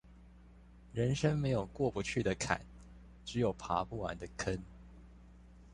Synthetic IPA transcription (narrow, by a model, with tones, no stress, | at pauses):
ɻə˧˥nʂə˥ŋme˧˥ɪjo˨˩ʊkwɔ˥˩pu˧˦t͡ɕʰy˥˩d̪ə˩kʰa̰˨˩˦n | ʈ͡ʂɻ̩˧˥jo˨˩ʊpʰa˧˥pu˥˩wa̰˧˥nd̪ə˧kʰə˦n